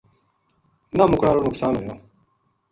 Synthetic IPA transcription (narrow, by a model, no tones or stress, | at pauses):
namukʷaːɾonʊksaːnuɦo